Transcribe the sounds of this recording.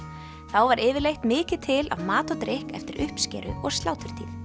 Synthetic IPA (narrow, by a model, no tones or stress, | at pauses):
θawvaɾʔɪːvɪɾlejht̪mɪːcɪt̪ʰɪla̰vmaːt̪ɔt̪ɾehkɛ̰ft̪ɪɾʔʏhpscɛ̰ːɾʏ̰ɔɣst̪aːwt̪ʏɾ̥t̪ʰḭːð